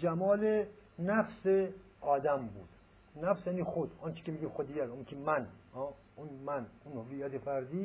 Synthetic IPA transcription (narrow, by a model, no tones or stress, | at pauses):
d͡ʒæmɒːlenæfse | ɒːd̪æmbṵːd̪̥ | næfsjæːniːxod̪ɒnt͡ʃʰe̥kʲemiɡiːmxod̪ijæɾunkʲʰemænɒː | unmænunhovijːæt̪ʰefæɾd̪iː